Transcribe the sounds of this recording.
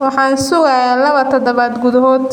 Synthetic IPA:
wɑħɑːnsʊɣaːjalɐβɐt̪ʰɔd̪ɔβaːd̪ɡʊðɐɦɔːd̪

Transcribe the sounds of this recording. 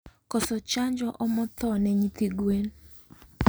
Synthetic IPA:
kɔsɔt͡ʃaɲd͡ʒɔʔɔmɔt̪ɔnɛɲit̪iɡwen

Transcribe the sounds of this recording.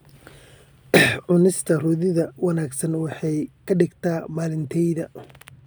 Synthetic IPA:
ʕʊnɪst̪ʰɐrʊðɪðɐwɑnaːɡsɐnwɑħɑjkʰɐɖɪɡt̪ʰaːmaːlɪnt̪ʰɛjðɐ

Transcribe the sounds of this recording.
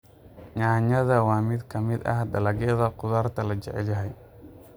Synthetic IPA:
ɲaːɲɐðɐwɑːmɪd̪kʰɐmɪd̪ɐ̰hd̪ɐlɐɣɛðɐqʊðaːrt̪ʰɐlɐt͡ʃɛʕɛlɐɦɛj

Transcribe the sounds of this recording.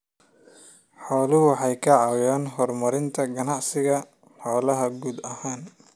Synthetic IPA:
ħɔːlʊɦʊħɑjkʰɐʕɑwjaːnɦɔrmɐɾɪnt̪ʰɐɡɐnɑʕsɪɣɐ | ħɔːlɐɦɐɡuːd̪ɐhaːn

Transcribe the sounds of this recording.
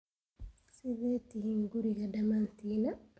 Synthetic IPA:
siðetihiŋɡuɾiɣadamant̪ina

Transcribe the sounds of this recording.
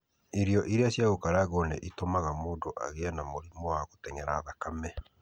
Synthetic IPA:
eɾiɔʔiɾeasjaɣokaɾaɣɔnɛ̰ʔitomaɣamodoʔa̰ɣeanamoɾimɔaɣotɛɲɛɾaðakamɛ

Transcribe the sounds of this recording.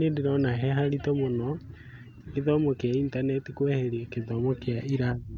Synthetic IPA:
nedeɾɔnaɦɛɦaɾitɔmonɔ | eðɔmɔkeaintanɛtikwɛheɾiekeðɔmɔkeaiɾai

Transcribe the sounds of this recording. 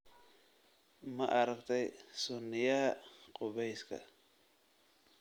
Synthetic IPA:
mɐʔɐɾɐkt̪ʰɛjsʊnːɪjɐqʼʊβɛjskʰɐ̰

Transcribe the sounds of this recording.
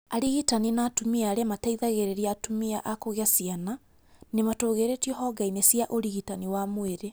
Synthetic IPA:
aɾiɣitaninatumiaɾɛmataiðaɣeɾeɾiatumiaʔakoɣeasiana | nematoːɣeɾetiɔɦɔɡainesjaʔoɾiɣitaniwamoeɾe

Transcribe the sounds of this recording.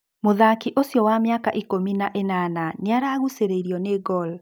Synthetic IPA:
moðakiʔosjɔwamjaka̰ʔikominaʔenananeaɾaːɣuseɾeiɾjɔneɡɔl

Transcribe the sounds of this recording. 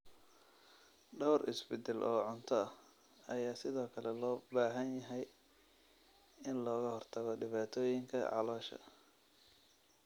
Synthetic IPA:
ɖɔwrʔɪ̰sbɪd̪ɛlʔɔːʕʊnt̪ʰɔɐh | ɐjaːsɪðɔːkʰɐlɛlɔːbaːɦɐnjɐɦɛj | ɪnlɔːɣɐhɔrt̪ʰɐɣɔɖɪβaːt̪ʰɔːjɪŋkʰɐ̰ʕɑ̰lɔːʃɐ̰

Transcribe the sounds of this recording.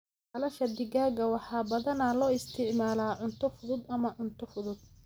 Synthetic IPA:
ɐlɐʃɐd̪ɪɣaːɣɐwɑħɑːbɐðɐnɐlɔːɪst̪ʰɪʕmaːlaːʕʊnt̪ʰɔfʊðʊd̪ɐmɐʕʊnt̪ʰɔfʊðʊd̪̥̚

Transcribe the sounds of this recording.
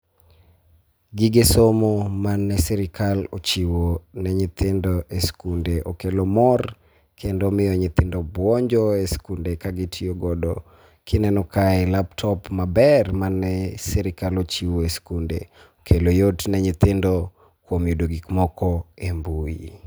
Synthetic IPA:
ɡiɡesomomanːɛsɛɾɪkʰalo̰t͡ʃiwonɛɲɪt̪ɪndɔʔeskundeʔokelomɔr | kʰendomɪjɔɲɪt̪ɪndɔbwɔɲd͡ʒɔeskundekaɡɪtʰioɡɔdɔ̰ | kʰɪnɛnɔkaɛlaptʰɔpmabɛrmanːɛsɛɾɪkalot͡ʃiwoeskundḛ | okʰelojotnɛɲɪt̪ɪndo | kwomjudoɡikmɔkɔembui

